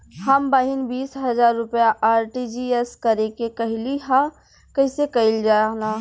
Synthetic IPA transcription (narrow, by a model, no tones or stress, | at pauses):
hɐmbaːɦɪnbiːsɦɐzaːɾːʊpjaʔaːɾʈid͡ʒiːɛskɐɾekekɐɦɪliɦã | kɐɪsekɐɪld͡ʒaːnaː